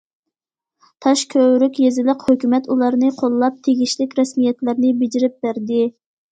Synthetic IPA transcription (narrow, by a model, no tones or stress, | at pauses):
t̪ʰɑʃkʲʰøwɾykʲjezɪləqhøkʲymɛt̪ulˠɑɾnɨqʰolˠːɑp̚t̪ʰeɡʲiʃlɪkʲɾɛsmijɛt̪læɾnɪbɪd͡ʒiɾɪp̚bæɾd̪ɪ